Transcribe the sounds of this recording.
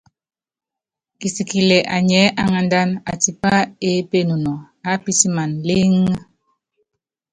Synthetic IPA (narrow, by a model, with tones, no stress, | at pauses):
ki˨si˨ki˨lɛ˨ʔa˨ɲɛ˨˦ʔa˦ŋa˨nda˦na˨ti˨pa˦e˦pe˦˨nu˨nɔ˨ | a˨˦pi˦si˦ma˨nle˦ŋ˦